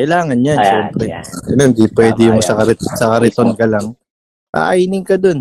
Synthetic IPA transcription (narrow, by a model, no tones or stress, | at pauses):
kɐjlaːŋɐnjanʃɛːmpɾɛɡɐnond̪ipwɛːd̪ɪjʊŋsɐkɐɾɛsɐkɐɾɛt̪o̞nkɐlaŋ | ʔa̰ʔajnɪŋkɐd̪o̞n